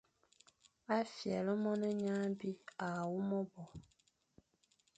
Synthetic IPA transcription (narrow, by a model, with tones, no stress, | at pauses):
a˦fjɛ˨lə˦mɔ˦nɛ˦ɲa˦bi˦a˨wu˦mɔ˦bɔ˨